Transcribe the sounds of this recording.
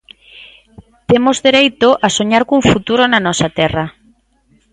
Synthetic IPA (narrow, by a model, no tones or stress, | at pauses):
t̪emozðeɾejt̪oʔasoɲaɾkuŋfut̪uɾonanɔsat̪ɛra